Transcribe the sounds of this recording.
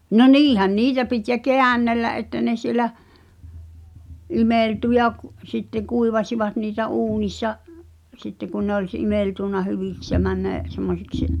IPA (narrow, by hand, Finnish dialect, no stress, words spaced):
no niːhæn niːtæ pit jɑ keænːelːæʔ ʔetːæ ne siĕlæ imeˑltu jɑ k sitːeŋ̆ kuiʋɑsiʋɑt niːtæ uːnisːɑ sitːe kun ne olʲ s ʔimeˑltuˑnːɑ hyʋiks jɑ mænːæ̝ semːosiks